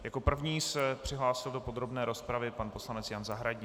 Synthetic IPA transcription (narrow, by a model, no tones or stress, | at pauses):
jako̞pr̩vɲiːsɛpr̝̥ɪɦlaːsɪldo̞po̞d̪ɾo̞bnɛːɾo̞spɾavɪpanpo̞slanɛt͡sjanzaɦɾaɟi